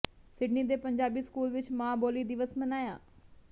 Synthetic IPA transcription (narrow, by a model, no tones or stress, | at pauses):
sɪɖniːd̪eːpəɲd͡ʒaːbiːskuːlʋɪt͡ʃmãːboːliːd̪ɪʋəsmənaːjaː